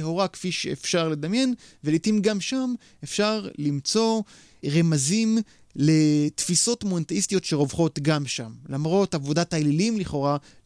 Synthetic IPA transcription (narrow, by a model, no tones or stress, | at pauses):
hoʁakfiʃḛefʃaʁle̞damje̞nvelitimɡamʃam | efʃaʁlimt͡so̞ | ʁe̞mazim | le̞t̪fiso̞tmont̪eist̪ijo̞tʃe̞ʁo̞vχo̞tɡamʃamlamʁo̞tavo̞datajlilimliχo̞ʁa